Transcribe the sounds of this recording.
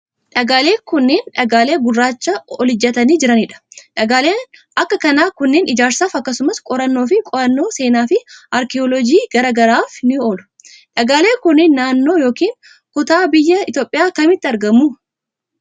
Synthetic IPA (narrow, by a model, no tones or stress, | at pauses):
ᶑɐɡaːle̞ːkʊnːeːnᶑɐɡaːle̞ːɡʊrːaːt͡ʃːɐɔlɪd͡ʒːɐt̪ɐniːd͡ʒɪɾɐnɪᶑɐ̥ᶑɐɡaːleːn | ɐkːɐkɐnaːkʊnːeːnʔɪd͡ʒaːɾsaːfɐkːɐsʊmɐskʼɔɾɐnːo̞ːfɪkʼɔɾɐnːo̞ːse̞ːnaːfɪʔɐɾkɪɔlɔd͡ʒiːɡ̥ɐɾɐːɡɐɾaːfnɪoːlʊ̥ | ᶑɐɡaːle̞ːkʊnːɪnːaːnːo̞ːjo̞ːkiːŋ | kʊt̪aːbɪjːɐɪt̪jo̞ːpʼːɪjaːkɐmɪt̪ːɪɐɾɡɐmuː